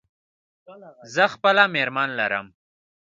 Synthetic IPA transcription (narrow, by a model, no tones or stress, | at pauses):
zəxpəlameɾmɑnlaɾə̰m